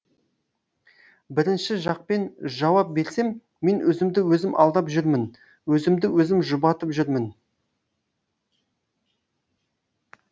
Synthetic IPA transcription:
bɪɾɪnʃɪʒɑq̚pe̞nʒɑwɑp̚be̞ɾse̞mː | e̞nwʔɵzɪmd̪ɪwɵzɪmʔɑ̰lˠd̪ɑpʒʏɾmɪn | wɵzɪmd̪ɪwɵzɪmʒʊbɑt̪əpʒʏɾmɪn

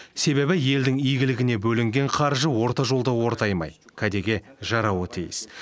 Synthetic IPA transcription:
se̞βe̞bɪje̞ld̪ɪŋijɡʲɪlɪɡʲɪne̞bɵlɪŋɡʲe̞ɴqʰɑɾʒəwo̞ɾt̪ɑʒo̞lˠd̪əwo̞ɾt̪ɑjmɑ̰jkʲʰæd̪e̞ɡʲe̞ʒɑɾɑwət̪ʰijɪ̰s

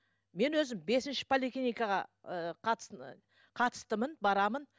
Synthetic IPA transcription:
me̞nwɵzɪmbe̞sɪnʃɪ̥pʰolʲiklʲinijkɑʁɑ̰əqʰɑt̪s | qʰɑt̪ə̥st̪əmənbɑɾɑmən

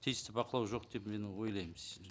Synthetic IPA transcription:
t̪ʰijst̪ɪbɑqəlˠɑwʒo̞qd̪e̞pme̞nwo̞jlˠɑjmɪz

